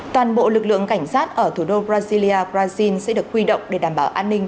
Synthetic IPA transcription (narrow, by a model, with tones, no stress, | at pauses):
t̪waː˨˩nɓo̰˧˨lɨ˨˩k̚lɨ̰˧˨əŋka˧˩jŋ̟saː˦˥t̚ʔəː˧˩t̪ʰu˧˩ɗo˧bɾaː˧zi˧li˧ʔaː˧bɾaː˧zi˧nsɛ̰˧˥ɗɨ˨˩ək̚hwi˧ɗə̰˧˨wŋ͡mɗe˧˩ɗaː˧˩mɓaː˧˩wʔaː˧nːï˧ŋ̟